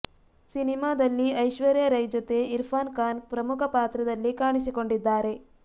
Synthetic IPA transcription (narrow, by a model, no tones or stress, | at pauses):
sinimaːd̪ɐlːiɐjʃʋɐɾjɐɾɐjd͡ʒot̪e̞iɾpʰaːnkaːnpɾɐmukʰɐpaːt̪ɾɐd̪ɐlːikaːɳisiko̞ɳɖid̪ːaːɾe̞